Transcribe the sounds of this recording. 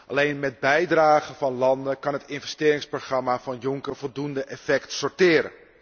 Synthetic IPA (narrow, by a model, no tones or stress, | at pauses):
ʔɑ̰lejnmɛd̚bɛjdraːɣəvɑnlɑndəkɑnɦətɪnvɛstɪːɾɪŋsproχrɑmavɑnjʊŋkəɹvɔlˠdundəʔɛfɛktsɔɹtɪːɾə̰n